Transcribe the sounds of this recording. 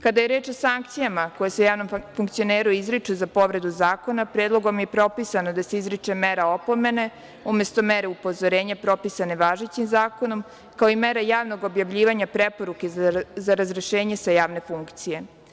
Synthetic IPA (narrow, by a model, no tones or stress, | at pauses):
kad̪ajeɾeːt͡ʃo̞saŋk̚t̪sijamako̞jeseujaːʋno̞mfuŋkt̪sio̞neːɾuizɾit͡ʂuzapo̞ʋɾe̞d̪uzaːko̞napɾeːd̪lˠo̞ɡo̞mjepɾo̞pisanod̪ase̞izɾit͡ʂemeɾaopo̞me̞ne̞ | umjest̪o̞meɾeupo̞zoɾeːɲapɾo̞pisane̞ʋaːʒet͡ɕimzaːko̞no̞m | kaoimeɾajaːʋno̞ɡo̞bjaʋʎiːʋaɲapɾepo̞ɾukezaɾazɾeʃeːɲe̞sajaːʋne̞fuŋkt̪sije̞